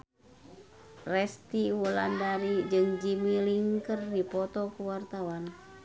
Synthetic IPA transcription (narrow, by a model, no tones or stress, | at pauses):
rɛst̪iwula̰ndaɾid͡ʒɨŋd͡ʒimiliŋkərdipɔt̪ɔkuwart̪awan